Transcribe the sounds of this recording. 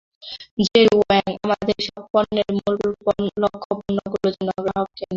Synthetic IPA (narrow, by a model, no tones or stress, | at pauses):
d͡ʑeɾoɛŋa̰mad̪eɾʃɔbpɔnːeɾmulpɔlokʰːopunːoɡulod͡ʑɔnɔɡaɦɔb̚kɛna